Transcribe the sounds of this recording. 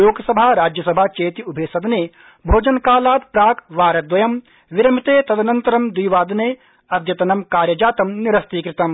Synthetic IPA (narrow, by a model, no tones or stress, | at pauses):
joːɡsɐbʱaːɾaːd͡ʒjɐsɐbʱat͡ʃeːt̪iʊbʱeːsɐd̪neː | bʱoːd͡ʒɐnkaːlaːd̪pɾaːkʋaːɾɐd̪ʋɐjɐm | ʋɪɾɐm̤it̪eːt̪ɐd̪ɐnɐ̃nt̪ɐɾɐmd̪iːʋaːd̪neː | ɐd̪jɐt̪ɐnɐmkaːɾjɐd͡ʒaːt̪ɐmnɪɾɐst̪iːkɾɪt̪ɐm